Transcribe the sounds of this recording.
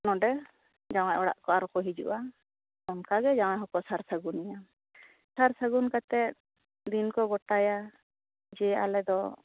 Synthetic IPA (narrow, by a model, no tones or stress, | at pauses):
nɔɖɛ | d͡ʒaw̃ajʔɔɽa̰ʔkɔaɾɔkɔɦid͡ʒṵʔa | ɔnkaɡɛd͡ʒaw̃ajɦɔkɔsaɾsaɡunija | saɾsaɡunkat̪ɛt̪̚ | d̪inkɔɡɔʈaja | d͡ʒɛa̰lɛd̪ɔ